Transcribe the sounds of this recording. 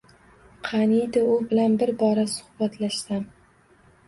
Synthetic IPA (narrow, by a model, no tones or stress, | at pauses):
qʰɑnid̪aʊbɪlanbɪɾbɒɾasʊ̥hbat̪ʰlaʃsam